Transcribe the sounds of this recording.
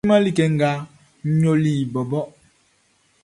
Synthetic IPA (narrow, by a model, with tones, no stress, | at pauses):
ma˦li˦˨kɛ˨ŋ̩˨ɡa˦ | ɲo˦li˦˨bɔ˨bɔ˦ʔ